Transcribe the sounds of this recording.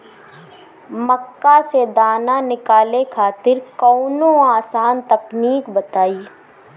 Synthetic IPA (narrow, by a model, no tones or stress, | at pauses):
məkːased̪aːnanɪkaːlekʰaːt̪ɪɾkɔːnõaːsaːnt̪ɐpniːkbɐt̪aːiː